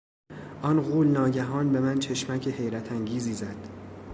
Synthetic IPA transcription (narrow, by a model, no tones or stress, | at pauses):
ʔɒnɣuːlnɒːɟæɦɒːnbe̞mænt͡ʃʰe̞ʃmæcʰehe̞jɾæt̪ʰæŋɟiːziːzæd̪̥